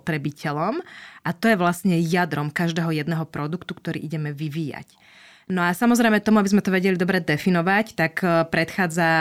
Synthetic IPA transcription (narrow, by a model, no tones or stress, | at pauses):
t̪ɾɛbicʰɛlɔmʔat̪ɔjɛʋlasɲɛjad̪ɾɔmkaʒd̪ɛːɦɔjɛd̪nɛɦɔpɾɔd̪ukt̪ukt̪ɔɾḭːʔiɟɛmɛʋiʋiːja̰c | nɔasamɔzɾɛɪmɛt̪ɔmuabizmɛt̪ɔʋɛɟɛlid̪ɔbɾɛd̪ɛfinɔʋact̪akpɾɛt̪xaːd͡za